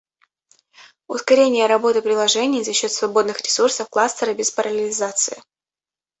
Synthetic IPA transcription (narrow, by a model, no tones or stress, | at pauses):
ʊskɐɾʲenʲɪjəɾɐbo̞t̪ɨpɾʲɪlˠɐʐɛnʲɪjzɐɕːo̞t̪svɐbo̞d̪nɨxɾʲɪsursəfklˠast̪əɾəbʲɪspəɾʔɐlʲɪlʲɪzat̪sɨɪ